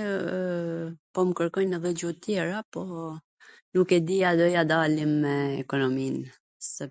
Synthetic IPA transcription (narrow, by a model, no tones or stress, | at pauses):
pɔməkəɾkɔjnəðɛd͡ʑut̪jɛɾapɔ | nukɛd̪iad̪ɔjad̪alimːɛːkɔnɔmin | sɛ